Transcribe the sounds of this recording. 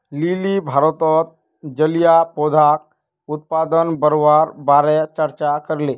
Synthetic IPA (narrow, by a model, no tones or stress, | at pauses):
lilibʱaːɾət̪ɔːt̪̚ | d͡ʒəljapoːd̪ʱaːk̚ | ʊt̪̚paːd̪ənbəɾowaːɾbaːɾɛt͡ʃəɾt͡ʃakəɾleː